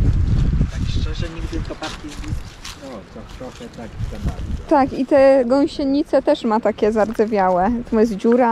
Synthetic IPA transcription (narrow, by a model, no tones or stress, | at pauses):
t̪akʂt͡ʂɛʐɛɲiɡt̪ɘlkɔpaɾkʲizʲisɔt̪ɔt̪ɾɔxɛt̪ak̪ɡ̪ɛb̪at̪akit̪ɛɡɔ̃w̃ɕɛɲːit̪sɛt̪ɛʂmat̪akʲɛzaɾd̪zɛvʲjawɛt̪ɔmjɛs̬d͡ʑuɾa